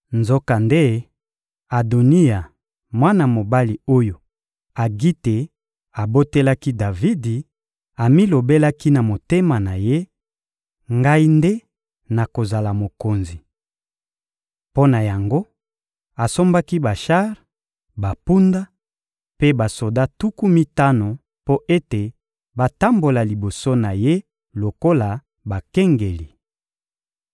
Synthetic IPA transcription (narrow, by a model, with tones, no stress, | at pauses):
nzo˦ka˨nde˦ | a˨do˨ni˦ja˨ | mwa˦na˨mo˨ba˦li˨o˦jo˨ | a˨ɡi˦te˨ | a˨bo˦te˦la˦ki˦da˨vi˦di˨ | a˨mi˦lo˨be˦la˦ki˦na˨mo˨te˦ma˨na˨je˦ | ŋɡa˦i˦nde˦ | na˨ko˨za˨la˨mo˨ko˨nzi˨ | po˦na˨ja˨ŋɡo˦ | a˨so˦mba˦ki˦ba˨ʃa˦ʁ | ba˨pu˦nda˦ | pe˦ba˨so˨da˦tu˦ku˦mi˦ta˦no˨ | po˦ʔe˦te˨ | ba˨ta˦mbo˨la˨li˨bo˨so˦na˨je˦ | lo˨ko˦la˨ | ba˨kɛ˦ŋɡe˨li˨